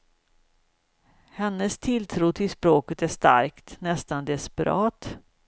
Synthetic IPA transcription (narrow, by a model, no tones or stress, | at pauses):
hɛnːəst̪ʰɪlt̪ʰɾuːt̪ʰɪlspɾoːkət̪æʂt̪a̰ɾkt̪nɛst̪and̪ɛspɛɾɑːt̪